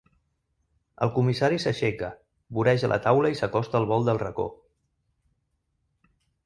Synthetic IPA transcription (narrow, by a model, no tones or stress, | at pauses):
ə̰lˠkumisaɾisəʃekə | βuɾɛʒəlʔə̰t̪awləisəkɔst̪əːlˠβ̞ɔlˠd̪əlˠrəko̰